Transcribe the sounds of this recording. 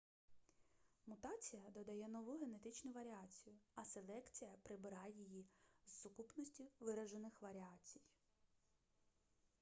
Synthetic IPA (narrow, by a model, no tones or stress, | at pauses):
mʊt̪ɑt͡sʲijɐd̪ɔd̪ɐjɛnɔʋuɦe̞ne̞t̪ɪt͡ʃnʊʋɐɾʲɪat͡sʲijʊɐse̞lˠɛkt͡sʲijɐpɾɪbɪɾɑjijizːʊkupnɔsʲtʲiʋɪɾɐʒenɪxʋɐɾʲɪɑt͡sʲi̥j